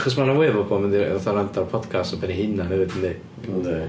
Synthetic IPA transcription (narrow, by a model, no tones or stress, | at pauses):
χɔs̬manamweːvɔbɔːmɛndiɔθɔɾantʰarpʰɔd̥kʰastɔbɛnihɪnaɦɛvɨdənːe | ne